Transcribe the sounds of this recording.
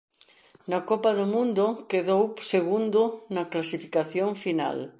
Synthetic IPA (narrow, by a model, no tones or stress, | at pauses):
nɐkɔpɐðʊmũnd̪ʊkeðowseɣund̪ʊnɐklasifi̥kaθjoŋfina̰l